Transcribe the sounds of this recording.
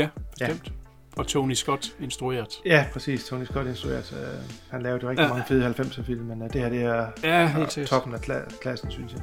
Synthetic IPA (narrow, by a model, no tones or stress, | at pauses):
jæfɒ̥sdem̰d̥ | ɒ̽t͡sʰonisɡ̥ɒ̽d̥e̝nsd̥ʁue̝̰ːɐð̥ˠjæpʰʁɛsḭːst͡sʰonisɡ̥ɒ̽ɾe̝nsd̥ʁue̝̰ɐd̥øhænlɛːʊɐ̥d̥oʁɛɡdimɑ̈ŋəfe̝ðˠhælfem̰səfil̰mːend̥e̝hæɐd̥e̝æjæ̥sæt͡sʰɒ̽b̥n̩ækʰkʰlæsn̩synsjɑ